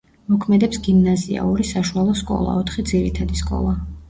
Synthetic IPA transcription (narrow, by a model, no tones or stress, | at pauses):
mɔkʰmɛd̪ɛpsɡimnazia̰ɔɾisaʃualˠɔskʼɔ̰lˠa̰ɔt̪ʰχid̪ziɾit̪ʰad̪iskʼɔ̰lˠa